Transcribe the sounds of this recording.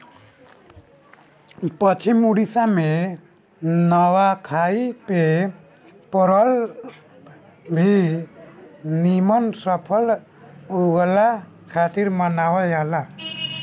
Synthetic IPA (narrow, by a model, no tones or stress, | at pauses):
pʌt͡ʃʰimuɽisame | nʌwakʰaipe | pʌɾʌl | bʱi | nimʌnsʌpʰʌl | ɦoɡla | kʰat̪iɾmʌnawʌjala